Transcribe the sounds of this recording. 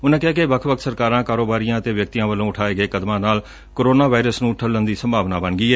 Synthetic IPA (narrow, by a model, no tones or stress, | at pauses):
ʊnãːkɪɦaːkeʋəkʰʋbək̪̚ʰsəɾkaːɾãːkaːɾoːbaːɾijãːət̪eːʋjək̚t̪ijãːʋəlːõːʊʈʰaːeːɡəeːkəd̪mãːnaːl | koːɾoːnaːʋaːɪɾəsnũːʈʰəlːənd̪iːsəmbʱaːʋnaːbəɳɡiːɛː